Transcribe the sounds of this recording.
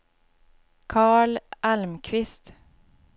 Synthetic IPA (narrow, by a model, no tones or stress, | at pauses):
kʰɑːɭalmkʰvɪst̪